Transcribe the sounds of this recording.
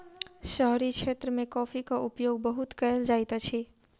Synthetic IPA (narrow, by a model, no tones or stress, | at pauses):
ʃəɦɾikt͡ʃʰet̪ɾəmẽkɔːpʰikaʔupjoɡ̚bəɦut̪kəeld͡ʒajt̪at͡ʃʰi